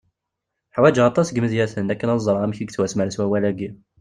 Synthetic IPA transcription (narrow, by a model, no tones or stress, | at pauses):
ħwæd͡ʒɑt̪ˤɑsɡməðjæθənækːənɑzˤɾˤɑæmçiɡ̚t͡swæsmæɾəswæwælæɡi